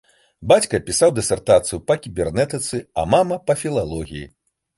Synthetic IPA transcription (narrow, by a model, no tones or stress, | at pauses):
bat͡sʲkɐpʲisawd̪ɛsʲɛrt̪at̪sɨjupɐkʲibʲɛrnɛt̪ɨt̪sɨɐ̰mamɐpɐfʲilˠalˠɔɣʲḭjḭ